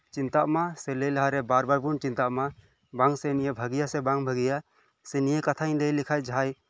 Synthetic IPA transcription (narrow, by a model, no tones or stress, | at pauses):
t͡ʃint̪aʔmasɛlɛjlaɦaɾɛbaɾbaɾpunt͡ʃint̪aʔma | baŋsɛnijebʱəɡijasɛbaŋbʱəɡija | sɛnijekat̪ʰaĩnd̪ɛjlikʰajd͡ʒaɦaj